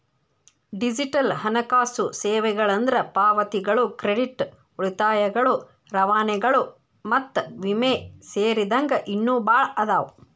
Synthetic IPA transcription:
ɖid͡ʒiʈɐlɦɐnɐkaːsuseːʋɛɡɐɭɐnd̪ɐɾɐpaːʋɐt̪iɡɐɭukɾeɖiʈ | uɭit̪aːjɐɡɐɭu | ɾɐʋaːnɛɡɐɭu | mɐt̪ːʋimeːseːɾid̪ɐŋɡɐʔinːuːbaːɭɐd̪aːw

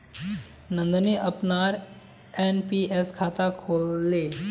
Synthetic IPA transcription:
nə̃nd̪niʔəpnaɾ | enpieskʰaːt̪akʰolːe

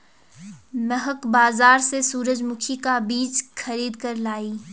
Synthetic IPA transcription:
mɐɦəkbaːzaːɾsesuːɾəd͡ʒmʊkʰikabiːt͡ʃxɐɾiːd̪kɐɾlaːiː

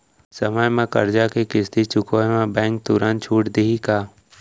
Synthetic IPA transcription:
səməjmẽkə̰ɾd͡ʒakekɪst̪it͡ʃʊkoemẽbɛ̃ːŋk̚t̪ʊɾant͡ʃʰuːʈd̪iikaː

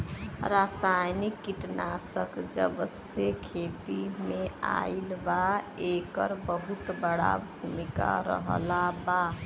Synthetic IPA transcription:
ɾasajnikːiʈnasəkd͡ʒəbəsjekʰet̪imea̰ilba | ekəɾbəɦut̪bəɽa̰bʱumika̰ɾə̰ɦə̰laba

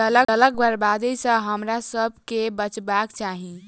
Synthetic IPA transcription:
ələələɡbʱəɾbad̪əjsə̃ɦəmɾasəbʱkebət͡ʃbakt͡ʃaɦĩ

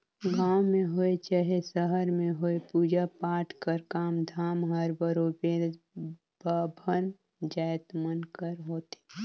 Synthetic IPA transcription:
ɡãːwmẽɦoet͡ʃaɦesəɦəɾmẽɦoːepuːd͡ʒapaːʈʰkəɾkaːmd̪ʱaːmɦəɾbəɾoːbeɾ | babʱən | d͡ʒaːjt̪mənkəɾɦoːt̪e̥

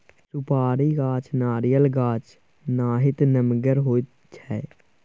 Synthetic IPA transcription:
sʊpaːɾiːɡaːt͡ʃnaːɾijəlɡaːt͡ʃ | naːɦɪt̪nəmɡəɾɦoːi | t͡ʃʰɛː

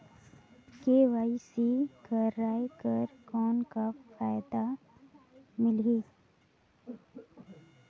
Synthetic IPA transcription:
keːʋaːisikəɾaːjkəɾkɔːnkafaːjd̪a | mɪliː

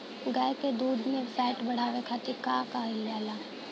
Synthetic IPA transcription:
ɡajked̪uːd̪mẽfɛːʈbɐɽ̤aːʋekʰaːt̪ikaːkaɪljaːla

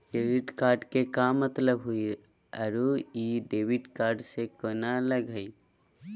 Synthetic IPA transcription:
keɾiʈkaːɾɖkekamət̪ləbɦui | əɾuiɖebiʈkaːɾɖsekonaləɡəi

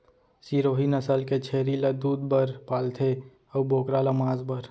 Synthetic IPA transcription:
siːɾoːɦinəsəlket͡ʃʰeːɾilɐd̪uːd̪bəɾpaːlt̪ʰe | ɔboːkɾaləmaːzbəɾ

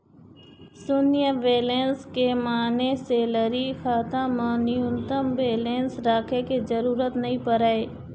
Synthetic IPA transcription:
sʊnɪjəʋeːleːnskemaːneseːləɾixaːt̪ãmə̃nɪjʊ̃nt̪əmʋeːleːnsɾaːkʰekezɐɾuːɾət̪nɐɦĩpəɾaːeː

